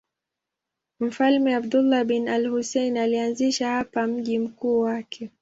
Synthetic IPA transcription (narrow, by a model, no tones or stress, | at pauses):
m̩falmɛabdulːaɓinalhusɛinalianziʃahapam̩ʄim̩kuːwakʰɛ